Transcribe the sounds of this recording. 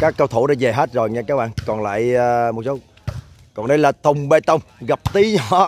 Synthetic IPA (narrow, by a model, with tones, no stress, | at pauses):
kaː˦˥kːə˧wt̪ʰu˧˩˦ɗaː˧˥ze˨˩ɦe˦˥t̚zo˨˩jɲa˧kaː˦˥k̚ɓa̰ː˧ŋkɔ˨˩nla̰ː˧˨jəː˨˧mo˨˩t̚so˨˦ | kɔ˨˩nɗə˧jlaː˨˩t̪ə˨˩wŋ͡mɓe˧t̪ə˧wŋ͡mɣa˨˩p̚t̪i˨˦ɲɔ˨˧˦